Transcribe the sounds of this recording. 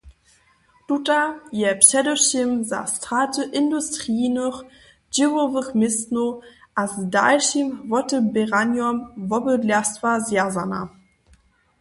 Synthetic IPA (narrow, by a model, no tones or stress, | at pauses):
tutajɛpɕɛdəʃimza̰stʁatəʔɪndustʁiːnəχ | d͡ʑivovəχmɪstnoʔasdalʃimvɔtəbɛʁanjɔmvɔbədlɛstvazjazana̰